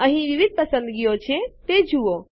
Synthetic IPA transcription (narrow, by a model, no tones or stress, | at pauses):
əɦĩʋiʋɪd̪̚ʱpɐsə̃nd̪ɡijot͡ʃʰet̪ed͡ʒʱuo